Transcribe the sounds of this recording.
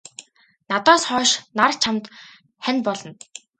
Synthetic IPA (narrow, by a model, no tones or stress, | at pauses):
nat̪ɔːsχɔːʃnart͡ɕʰamt̪ | χænpɔɮɞ̆n